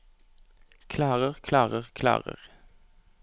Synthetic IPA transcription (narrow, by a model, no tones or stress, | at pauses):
kʰlɑːʁəʁkʰlɑːʁəʁkʰlɑ̰ːʁə̰ʁ